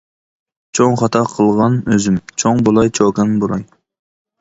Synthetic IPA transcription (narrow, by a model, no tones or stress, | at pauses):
t͡ʃʰoŋχɑt̪ʰɑqʰəlˠʁɑnøzɪmt͡ʃʰoŋbolˠɑjt͡ʃʰoːkɑnbolˠɑŋ